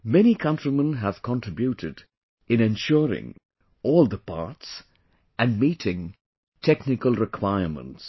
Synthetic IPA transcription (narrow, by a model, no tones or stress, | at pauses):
mɛnikʰʌ̃ntɹimə̃nɦæv̥kʰə̃ntɹ̥ɪbjuɾɪd | ɨ̃nɛ̃nʃɔɾɪ̰̃ŋ | ɔːlˠd̪əpʰa̰ɹts | ʔɨ̃nmiːtʰɪ̃ŋ | tʰɛknɪkəlˠɹɪkʰw̥aɪəɹmə̰̃nts